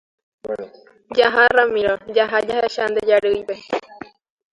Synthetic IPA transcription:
d͡ʒaɦaramĩɾod͡ʒaɦad͡ʒaheʃand̪ed͡ʒaɾɨjʋe

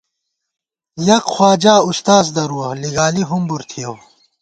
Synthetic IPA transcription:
jɐqxwaːd͡ʑaːust̪aːzd̪ɐɾuɐliɡaːliɦumbuɾt̪ʰijow

